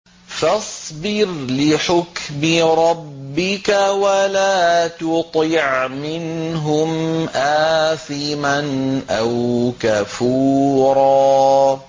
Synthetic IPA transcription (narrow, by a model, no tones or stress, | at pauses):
fɑsˤbɪɾlɪħʊkmɪɾˤɑbːɪkawalaːt̪ʊt̪ˤɪʕmɪnɦʊmʔaːθɪmanʔawkafuːɾˤɑː